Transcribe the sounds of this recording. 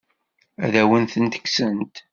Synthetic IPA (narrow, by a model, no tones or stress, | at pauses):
æ̰ðæwənθənt̪ə̥kːsənt̪